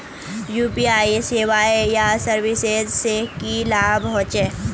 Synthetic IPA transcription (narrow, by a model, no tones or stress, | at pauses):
juːpiaːiseːʋaːejasəɾʋɪsezsekilaːbɦɔ̃ːt͡ʃe